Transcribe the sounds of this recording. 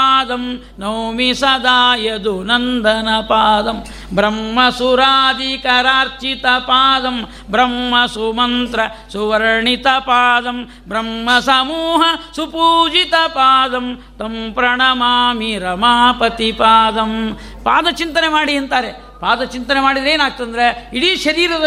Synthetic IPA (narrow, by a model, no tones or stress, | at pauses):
aːd̪ɐm | nɐwmisɐd̪aːjɐd̪unɐnd̪ʱɐnɐpaːd̪ɐm | bɾɐmːɐsuɾaːd̪ikɐɾaːɾt͡ʃit̪ɐpaːd̪ɐm | bɾɐmːɐsumɐnt̪ɾɐ | suʋɐɾɳit̪ɐpaːd̪ɐm | bɾɐmːɐsɐmuːɦɐsupuːd͡ʒit̪ɐpaːd̪ɐm | t̪ɐmpɾɐɳɐmaːmiɾɐmaːpɐt̪ipaːd̪ɐm | paːd̪ɐt͡ʃint̪ɐnemaːɽiɐnt̪aːɾe | paːd̪ɐt͡ʃint̪ɐnemaːɽid̪ɐɾeːnaːɡ̚t̪ɐnd̪ɐɾeiɽiʃɐɾiːɾɐd̪ɐ